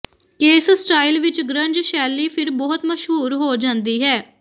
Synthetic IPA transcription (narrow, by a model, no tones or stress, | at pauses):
keːssʈaːɪlʋɪt͡ʃɡɾə̃ɲd͡ʒʃɛːlːiːpʰɪɾbɔːʊt̪məʃɦuːɾɦoːd͡ʒãːnd̪iːɦɛː